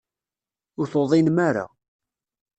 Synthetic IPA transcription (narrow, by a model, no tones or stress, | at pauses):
ʊɾθoðˤinmaɾa̰